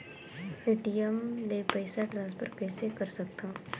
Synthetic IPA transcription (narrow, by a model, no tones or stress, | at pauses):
eːʈijəmlepɛɪsaʈɾaːzpəɾkɛːsekɐɾsɐk̚t̪aː